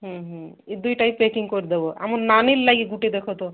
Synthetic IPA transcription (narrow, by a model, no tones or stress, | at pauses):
ɦə̃ɦə̃ | id̪ujʈaipːekiŋɡkoɾd̪eboa̰munnanilːaɡiɡuʈid̪ekʰot̪o